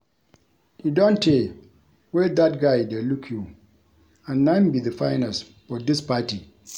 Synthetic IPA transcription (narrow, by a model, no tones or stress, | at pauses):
judõntʰːe | wɛd̪at̚ɡaɪdelukʰju | ãnːãɪ̃mbiðəfãɪnas | fɔdispati